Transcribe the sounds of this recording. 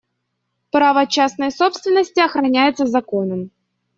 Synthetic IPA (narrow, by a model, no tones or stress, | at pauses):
pɾavəɐt͡ɕːasnəjso̞pst̪vʲɪnːəsʲtʲɪɐxɾɐnʲæjɪt̪səzɐko̞nəm